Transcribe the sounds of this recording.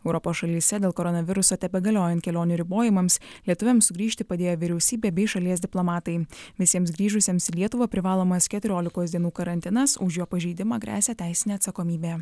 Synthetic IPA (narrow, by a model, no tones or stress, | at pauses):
ɛʊɾɔpoːsʃɐlʲiːsʲɛd̪ʲeːlˠkɔɾɔnɐʋʲɪɾʊsoːt̪ʲɛpʲɛɡɐlʲoːjɛnt̪kʲɛlʲoːnʲʊɾʲɪboːjɪmɐmslʲiɛt̪ʊʋʲɛmsʊɡɾʲiːʃʲt̪ʲɪpɐd̪ʲeːjoːʋʲɪɾʲɛʊsʲiːbʲeːbʲɛɪʃɐlʲiɛsʲd̪ʲɪplˠɔmɑːt̪ɐɪʋʲɪsʲiɛmsɡɾʲiːʒʊsʲeːmsilʲiɛt̪ʊʋɐpʲɾʲɪʋɑːlˠoːmɐskʲɛt̪ʲʊɾʲoːlʲɪkoːsd̪ʲiɛnuːkɐɾɐnʲt̪ʲɪnɐsʊʃjoːpɐʒʲiɪd̪ʲɪmɑːɡɾʲʔæ̰ːsʲæːt̪ʲæɪsʲɪnʲeːɐt̪sɐkɔmʲiːbʲeː